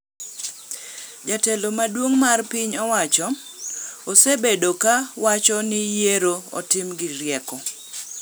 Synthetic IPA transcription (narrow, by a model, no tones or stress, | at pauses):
d͡ʒatelomadwoŋmarpiɲɔwat͡ʃɔː | sebedokawat͡ʃɔnɪjeɾoɔ̰tɪmɡɪɾjɛkɔ